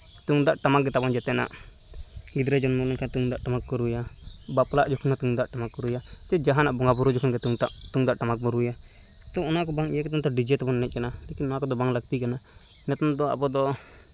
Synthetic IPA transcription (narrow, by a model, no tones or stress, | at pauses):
t̪uŋd̪aʔʈamak̚ɡɛt̪abɔnd͡ʒɛt̪ɛna̰ʔ | ɡid̪ɾɛd͡ʒɔnmɔlɔnkʰat̪uŋd̪aʔʈamakːɔɾuja | baplaʔd͡ʒɔkʰɔnat̪uŋd̪aʔʈamakːɔɾuja | t̪ɛd͡ʒaɦanaʔbɔŋɡabuɾud͡ʒɔkʰɔnɡɛt̪uŋt̪aʔt̪uŋd̪aʔʈamak̚bɔɾuja | t̪ɔɔnak̬ɔbaŋjɛkɛt̪̬ɔmt̪ɔɖid͡ʒɛt̪abɔnːɛt̪̚kanalɛkinɔnakɔd̪ɔbaŋləɡ̚t̪ikana | nɛt̪ɔmd̪ɔa̰bɔd̪ɔ